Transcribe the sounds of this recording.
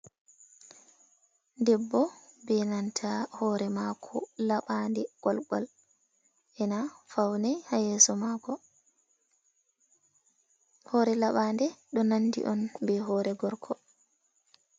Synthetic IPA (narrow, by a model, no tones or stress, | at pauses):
ndɛbːɔbɛnantʰahɔːɾɛmakʰɔlaɓandɛɡ̥ɔlɡɔ̰l | ʔɛnafawnɛjhajɛːsɔmakɔ | hɔːɾɛlaɓandɛɗɔnanːdḭʔɔnbɛɦɔɾɛɡɔɾkʰɔ